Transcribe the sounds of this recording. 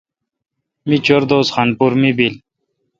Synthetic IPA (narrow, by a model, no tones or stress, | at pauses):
mit͡ɕoɾd̪oːsxanpuɾmibil